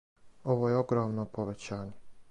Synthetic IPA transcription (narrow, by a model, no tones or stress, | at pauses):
o̞ʋojeoɡɾoːmnopoʋet͡ɕaːɲe